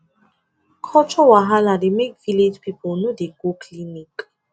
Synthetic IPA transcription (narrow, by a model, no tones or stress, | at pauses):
kʰɔt͡ʃʰɔwaɦalademekviled͡ʒpʰiponudeɡokʰlinik